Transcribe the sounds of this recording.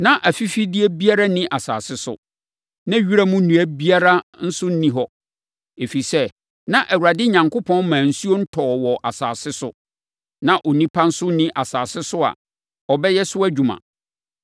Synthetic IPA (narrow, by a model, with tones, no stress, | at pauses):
nã˦ʔæ˨fi˦fi˦di˦e˦bi˦a˦ɾa˦nĩ˦ʔa˨sa̰ː˨sɪ˦sʊ̰˨ | nã˦ɥi˦ɾa˦mũ˦nũ˨æ˦bi˦a˦ɾa˦n̩˦sʊ˦n̩˦nĩ˨ɦɔ˦ | e˨fi˨sɛ˦ | nã˦ʔæ˨wu˨ɾa˨dɪ˦ɲã˨ŋkʰʊ˦pʰɔ̃˦n˦mãː˨n̩˦su˦o˦n̩˦tʰɔː˨wɔ˨ʔa˨saː˨sɪ˦sʊ̰˦ | nã˨ʔɔ˨nĩ˦pʰa˦n̩˦sʊ˦n̩˦nĩ˦ʔa˨saː˨sɪ˦sʊ˦a̰˨ | ɔ˨bɛ˦jɛ˦sʊ˦æ˦d͡ʑᶣu˨mã̰˨